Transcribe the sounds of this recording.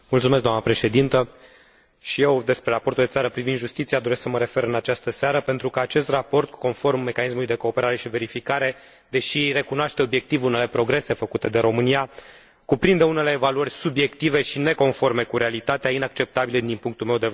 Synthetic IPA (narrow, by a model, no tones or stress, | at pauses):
mult̪sumesɡd̪oamnəpɾe̞ʃe̞d̪int̪ə | ʃije̞wd̪e̞spɾe̞ɾapo̞rt̪uld̪etsaɾəpɾivind̪ʒust̪it̪siad̪o̞ɾesksəməɾe̞fe̞ɾɨnat͡ʃast̪əseaɾəpe̞nt̪ɾukəat͡ʃe̞st̪rapo̞rt̪̚ko̞nfo̞rmːe̞kanis̬mulujd̪e̞ko̞ːpe̞ɾaɾe̞ʃive̞ɾifikaɾe̞ | d̪e̞ʃire̞kunoaʃt̪eo̞bje̞k̚t̪ivunele̞pɾo̞ɡɾe̞se̞fəkut̪e̞d̪e̞ɾo̞mɨnia | kupɾind̪əune̞le̞ːvaluərʲsubje̞kt̪ive̞ʃine̞ko̞nfo̞rme̞kuɾe̞alit̪at̪eainak̚t͡ʃe̞p̚t̪abiləd̪inpuŋk̚t̪ulme̞wd̪e